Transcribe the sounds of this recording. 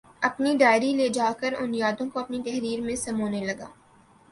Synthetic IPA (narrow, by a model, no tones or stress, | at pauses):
ɐpniɖaːɪɾileːd͡ʒaːkəɾʊnjaːd̪õkoɐpnit̪ɛɦɾiːɾmẽsɐmoːnelɐɡa̰ː